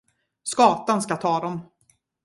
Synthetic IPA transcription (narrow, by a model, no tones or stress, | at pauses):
skɑːt̪anskat̪ʰɑːd̪ɔm